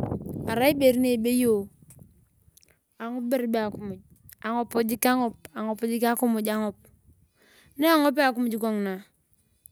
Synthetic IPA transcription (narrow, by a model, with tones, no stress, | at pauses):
a˨ɾa˦i˦be˨ɾne˦˨be˦jo˦˨ | a˨ŋu˦p̚be˦ɾbe˦a˨ku˦mu˨d͡ʒ | a˨ŋo˨po˨d͡ʒi˦ka˦ŋo˦pa˨ŋo˨po˨d͡ʒi˦ka˦ku˦mu˨d͡ʒa˨ŋo˨p̚ | ne˦a˨ŋo˦p̬a˦˨ku˦mu˨d͡ʒɡo˦˨ŋna˨